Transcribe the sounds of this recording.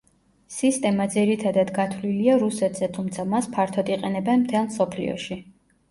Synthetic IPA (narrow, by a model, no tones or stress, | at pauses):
sist̪ʼɛmad̪ziɾit̪ʰad̪ad̪ɡat̪ʰwliliaɾusɛt̪ʰz̥ɛt̪ʰumt̪sʰamaspʰaɾt̪ʰɔd̪iqʼɛnɛbɛnmt̪ʰɛlˠmsɔpʰlḭɔ̰ʃi